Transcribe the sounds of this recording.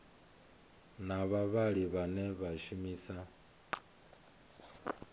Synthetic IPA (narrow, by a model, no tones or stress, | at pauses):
naβaβaɺiβanɛβaʃumiːsa